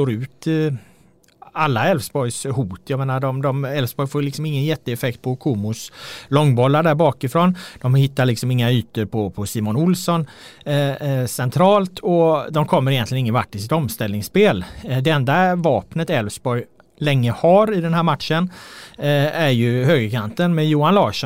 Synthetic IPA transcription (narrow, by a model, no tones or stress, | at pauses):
st̪oːɾʉ̟ːt̪ | alːaɛlvsbɔjshuːt̪jɑmeːnaɖɔmd̪ɔmɛlfsbɔjfoːlɪksɔmɪŋːənjɛt̪ːəɛfɛkt̪̚pʰɔkʰumʊslɔŋːbɔlːaɖæɾbɑːkɪfɾɔnd̪̥ɔmhɪt̪ːaɭɪksɔmɪŋːayːt̪əɾpʰɔpʰɔsiːmɔnʊlsɔn | sɛnt̪ʰɾɑːlt̪ʰɔd̪ɔmkʰɔmːəɾɪjɛnt̪lɪənɪŋːənvaʈːɪls̬ɪt̪ɔmst̪ɛlnɪŋsːpeːld̪ɛɛnd̪avɑːpnət̪ɛlfsbɔj | lɛŋːəhaɾɪd̪ɛnɦæːɾmat̪ʂən | æɾjɵhøːɡəɾkʰant̪ənmɛjuːanlɑːʂɔ